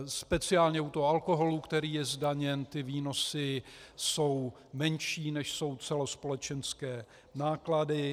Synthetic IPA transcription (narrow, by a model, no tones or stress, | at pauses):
spɛt͡sɪaːlɲɛut̪oɦoalko̞ɦo̞luːkt̪ɛɾiːjɛzdaɲɛnt̪ɪviːno̞sɪso̞w | mɛnʃiːnɛʃso̞wt͡sɛlo̞spo̞lɛt͡ʃɛnskɛː | naːkladɪ